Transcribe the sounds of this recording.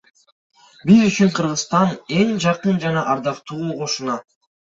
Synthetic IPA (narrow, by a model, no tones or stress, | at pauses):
bizyt͡ʃyɴqʰɯɾʁɯzst̪ɑne̞ŋd͡ʒɑqɯnd͡ʒɑnɑʔɑɾd̪ɑqt̪uuːqo̞ʃunɑ